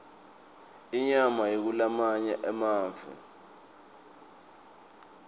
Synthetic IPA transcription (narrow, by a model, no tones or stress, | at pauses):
iɲamajek̬ulamaɲɛʔɛmaːɱvʱɛ̰